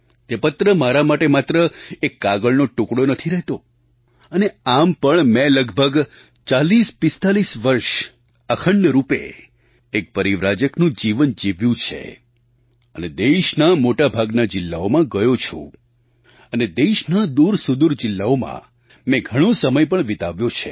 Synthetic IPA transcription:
t̪epət̪ɾəmaɾamaʈemat̪ɾəekːaɡəɭnoʈukɽonət̪ʰiɾɛɦt̪o | əneampəɳmɛ̃ləɡbʱəɡ | t͡ʃalispɪst̪alisʋəɾʃ | əkʰəɳjəɾupḛː | k̚pəɾiʋɾad͡ʒəknũd͡ʒiʋənd͡ʒiʋjũt͡ʃʰḛ | əned̪eʃnamoʈabʱaɡnad͡ʒɪlːaomãɡəjot͡ʃʰṵ̃ | əned̪eʃnad̪uɾsʊd̪uɾd͡ʒɪlːaomã̰ | mɛ̃ɡʱəɽ̃õsəməjpəɳʋɪt̪aʋjõt͡ʃʰḛ

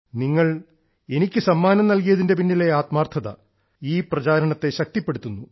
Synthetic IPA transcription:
niŋːɐɭ | enikʲːɨsɐmːaːnɐmnɐlkijɐðinde̞p̬inːile̞aːt̪maːrt̪ʰɐðɐ̰ | iːprɐt͡ɕaːɾɐɳɐt̪ːe̞ɕɐk̚t̪ipːe̞ɽut̪ːunːu

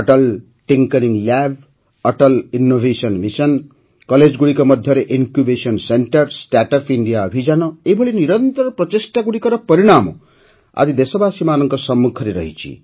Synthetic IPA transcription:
ʌʈʌl | ʈiŋkʌɾiŋlab̚ʱ | ʌʈʌlinːobʱesʌnmisʌn | kʌled͡zɡuɽikomʌd̪ʱjʌɾeʔiŋkjubesʌnseɳʈʌrsʈaʈʌpʰiɳɖijaʌbʱid͡zanʌebʱʌɭiniɾʌnt̪ʌɾprʌt̪isʈaɡuɽikoɾʌpʌɾiɽ̃amo̰ | a̰d͡zid̪esʌbasimanʌŋkosʌmːukʰʌɾeɾʌ̰ɦḭt͡sʰḭ

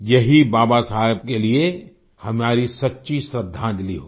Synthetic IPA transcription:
jɐɦibaːbasaːɦeb̚kelie | hɐmaːɾisɐtːʃisɾəd̪ʱːãd̪ɪliɦoː

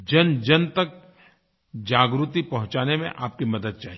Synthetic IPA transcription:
d͡ʒɐnd͡ʒɐnt̪ɐk̚ | d͡ʒaːɡɾut̪ipɐɦʊ̃t͡ʃaːnemḛ̃ʔaːp̚kimɐd̪əd̪̚t͡ʃaːɦi

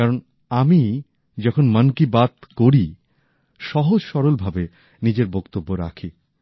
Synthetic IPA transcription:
kaɾon | ami | d͡ʑɔkʰonmankibat̪koɾi | ʃɔɦod͡ʑʃɔɾolbʱabe | nid͡ʑeɾbɔkt̪obːoɾa̰kʰi

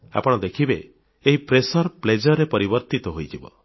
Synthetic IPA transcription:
a̰pɔɽ̃ɔd̪ekʰibeː | ɦipɾesɔɾpled͡ʒɔɾepɔɾibɔɾt̪it̪ɔɦojd͡ʒibɔ̰

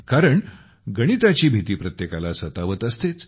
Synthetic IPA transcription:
kaɾəɳ | ɡəɽ̃it̪at͡ɕiːbʱit̪iːpɾət̪jekalasət̪aʋət̪əst̪et͡s

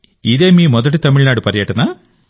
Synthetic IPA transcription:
id̪e̞ːmiːmɔd̪ɐʈ̬it̪ɐmiɭnaːɽupɐɾjɐʈɐna

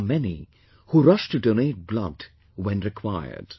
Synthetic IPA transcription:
mɛnḭ | huɾʌʃtɨdonet̚blʌ̰d | wɛ̃nɹɨkʰw̥aɪə̰˞d̥

